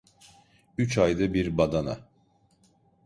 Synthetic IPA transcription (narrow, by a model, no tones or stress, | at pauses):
yt͡ʃajd̪abiɾbad̪ana̰